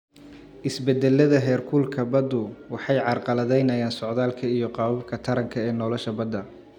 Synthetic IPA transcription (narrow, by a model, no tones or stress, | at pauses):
ʔɪsbɛd̪ɛlːɐðɐɦɛːrkʰuːlkʰɐbɐd̪ʊwɑħɑjʕɑrqɑlɐðɛjnɐjaːnsɔʕðaːlkʰɐijɞqɑːwɐb̚kʰɐt̪ʰɐɾɐŋkʰɐɛːnɔːlɔʃɐbɐd̪ːɐ